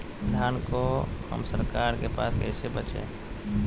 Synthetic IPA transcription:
d̪ʱjaːnkohə̰msəɾkaːɾkepaːskɛːsebət͡ʃḛ̃ː

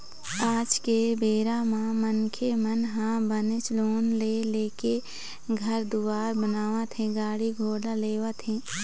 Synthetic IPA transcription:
aːd͡ʒkebeːɾamãmənkʰemənɦãːbənɪt͡ʃloːnleleːke | ɡʱəɾd̪uːaːɾbənaːʋat̪ʰẽɡaːɽiɡʱoːlaleːʋat̪ʰẽ

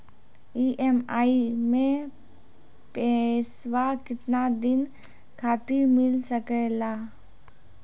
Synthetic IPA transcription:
iʔemaːimẽ | pɛsʋakɪt̪nad̪ɪn | kʰaːt̪imɪlsəkɛlaː

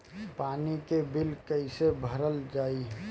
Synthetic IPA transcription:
paːnikebilkəɪsebʱəɾəld͡ʒaːi

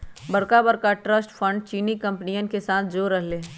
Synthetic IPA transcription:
bɐɾkabəɾkaʈɾəsʈfʰə̃ɳɖt͡ʃiːnikɐ̃mpnijənkesaːt̪ʰd͡ʒoːɾəɦleː

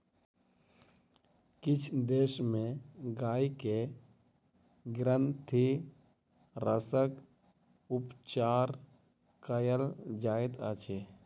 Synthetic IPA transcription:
kɪt͡ʃʰd̪eːʃmẽɡaːike | ɡɾənt̪ʰi | ɾəsək | ʊpt͡ʃaːɾ | kəjəld͡ʒaːet̪at͡ʃe

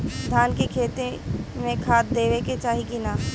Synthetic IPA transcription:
d̪ʱjaːnkekʰeːt̪emẽkʰaːt̪̚d̪eːʋeket͡ʃaːɦikina

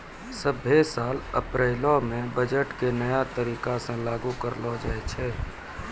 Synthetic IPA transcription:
səbʱːesaːlə̰pɾeːlõmẽbəd͡ʒəʈkenəjat̪əɾiːkasẽlaːɡukəɾlɔd͡ʒaːɛt͡ʃʰɛː

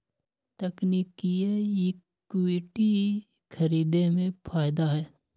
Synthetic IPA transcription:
t̪ɐkniːkiejɪ | ɪʈi | kʰɐɾiːd̪emẽpʰaːjd̪aɦɛː

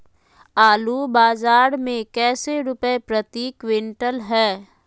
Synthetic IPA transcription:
aːlubaːzaːɾmẽkɛːseɾʊpəepɾət̪iːkwɪ̃ɳʈəlɦɛː

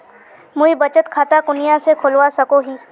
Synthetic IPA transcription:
mʊibɐt͡ʃət̪kʰaːt̪akʊnɪjãsekʰʊlʋasɐkoɦiː

